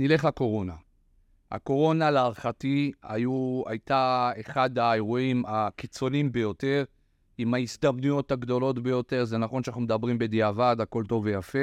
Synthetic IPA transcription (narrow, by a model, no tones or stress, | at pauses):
nile̞χlako̞ʁo̞na | ha̰ko̞ʁo̞nalaːʁχatia̰jua̰jtaeχad̪ae̞ʁuimakit͡so̞limbe̞jo̞te̞ʁ | imaisd̪amnujo̞taɡdo̞lo̞tbe̞jo̞te̞ʁzenaχo̞nʃanaχnumed̪abʁimbe̞d̪iavadhako̞lto̞vejafe̞